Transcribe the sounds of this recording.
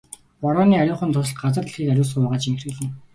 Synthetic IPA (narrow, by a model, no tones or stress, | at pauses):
pɔɾɔːniːaɾʲʊːχə̆nt̪ʰʊs̆ɮ̚ɢat͡sə̆rt̪ɮxiːkaɾʲʊːsɢʊʊːʁaːt͡ɕiŋxrɘ̆ːɮɘ̆n